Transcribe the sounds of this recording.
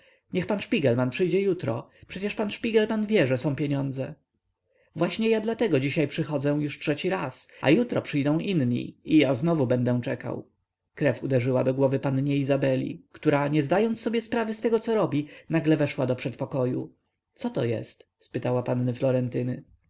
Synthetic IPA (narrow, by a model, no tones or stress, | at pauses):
ɲɛxpanʂpʲiɡɛlmanpʂɘjd͡ʑɛjut̪ɾɔ̰pʂɛt͡ɕɛʂpanʂpʲiɡɛlmanvʲjɛʐɛsɔ̃w̃pʲjeɲɔnd̪zɛ | vwaɕɲɛjad̪lat̪ɛɡɔd͡ʑiɕajpʂɘxɔd̪zɛ̃juʂtʂɛt͡ɕiɾasa̰jut̪ɾɔpʂɘjd̪ɔ̃w̃ʔinɲḭijaznɔvubɛnd̪ɛ̃t͡ʂɛka̰w | kɾɛfud̪ɛʐɘwad̪ɔɡwɔvɘpanɲɛizabɛlʲḭkt̪uɾaɲɛzd̪ajɔnt̪sɔbʲjɛspɾavɘst̪ɛɡɔt̪sɔɾɔbʲinaɡlɛvɛʂwad̪ɔpʂɛt̪pɔkɔjṵ | t̪sɔt̪ɔjɛ̰st̪ | spɘt̪awapanːɘflɔɾɛnt̪ɘnɘ